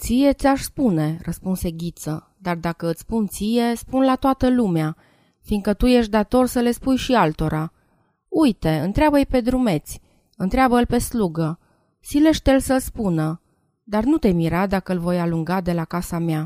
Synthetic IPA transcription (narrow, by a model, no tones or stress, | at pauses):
t̪sije̞t̪sʲaʃspune̞rʔəspunse̞ɡʲit̪sə | d̪ard̪akəɨt̪sspunt̪sije̞spunlat̪oat̪əlumea | fiŋɡkət̪uje̞ʃd̪at̪o̞rsəle̞spujʃialt̪o̞ɾʔa | ujt̪e̞ɨnt̪ɾeabəjpe̞d̪ɾume̞t̪sʲ | ɨnt̪ɾeabəɨlpe̞sluɡə | sile̞ʃt̪elsəlspunə | d̪arnut̪e̞miɾad̪akəɨlvo̞jaluŋɡad̪e̞lakasamea